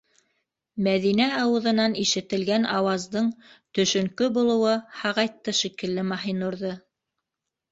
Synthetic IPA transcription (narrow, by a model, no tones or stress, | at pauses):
mæðinæɑwɤ̆ðɤ̆nɑniʃɘ̆t̪ɘ̆lɡænɑwɑzd̪ɤɴt̪ɵ̆ʃɵ̆ŋkɵbulˠɤ̆wɤhɑʁɑjt̪ːɤʃikɘ̆lːɘmɑɦinuɾðɤ